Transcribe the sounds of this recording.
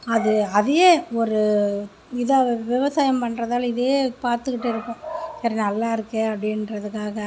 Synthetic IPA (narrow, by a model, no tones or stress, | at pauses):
ɐðɯɐðɐjeːɔɾɯ | ɪðɐʋɪʋɐsaːjɐmpɐnːɾɐðaːlɪðeeːpaːɾt̪ɯkːɪʈːɪɾɯkːʊ̃t̪ɛɾɐnɐlːaːɪɾɯkːɯɐpːɽɪnɾɐðɯkːaːɣɐ